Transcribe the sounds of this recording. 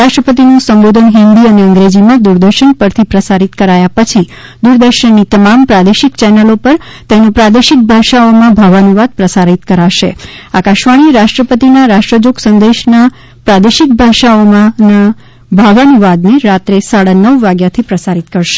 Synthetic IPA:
aʃʈɾəpət̪̬inũsəmbod̪ʱənɦɪnd̪iəneə̃ŋɡɾed͡ʒimãd̪uɾd̪əɾʃənpəɾt̪ʰipɾəsaɾit̪kəɾajapət͡ʃʰi | d̪uɾd̪əɾʃənːit̪əmampɾad̪eʃikt͡ʃɛnəlopəɾ | t̪enopɾad̪eʃik̚bʱaʃaomãbʱaʋanuʋad̪̚pɾəsaɾit̪kəɾaʃḛakaʃʋaɽ̃iɾaʃʈɾəpət̪inaɾaʃʈɾəd͡ʒoksə̃nd̪eʃna | pɾad̪eʃik̚bʱaʃaomãna | bʱəʋanuʋad̪neɾat̪ɾesaɽanəʋːaɡjat̪ʰipɾəsaɾit̪kəɾʃe̥

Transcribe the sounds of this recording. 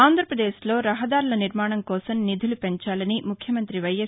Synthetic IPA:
aːnd̪ʱɾɐpɾɐd̪eːslo̞ːɾɐɦɐd̪aːɾulɐniɾmaːɳɐmkɔːsɐmnid̪ʱulupeɲt͡ʃaːlɐnimukʰjɐmɐnt̪ɾiʋɐje

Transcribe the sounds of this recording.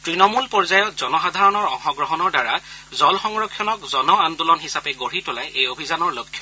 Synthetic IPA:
tɹinɔmulpɔɹzajɔtz̥ɔnɔxad̪ʱaɹɔnɔɹɔ̰xɔɡɹɔɦɔnɔɹdaɹazɔlxɔŋɹɔkʰːjɔnɔkzɔnɔandulɔnɦisapɛɡoɹitʊlajʔejobʱizanɔɹlokʰːjɔ̥

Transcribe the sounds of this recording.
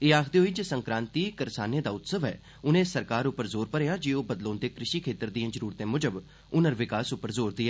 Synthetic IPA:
eːaːkʰd̪eːɦoiːd͡ʒeːsə̃ŋkɾãːnt̪iːkəɾsaːned̪aːʊt̪səʋɦɛ̰ː | ʊnẽːsːəɾkaːɾʊpːəɾzoːɾpəɾeːãːd͡ʒeːoːbəd̪lõːnd̪eːkɾɪʃiːkʰeːt̪əɾd̪ĩjãːzəɾuːɾt̪ẽːmʊd͡ʒəb | ʊnəɾʋɪkaːsʊpːəɾzoːɾd̪ɪaː

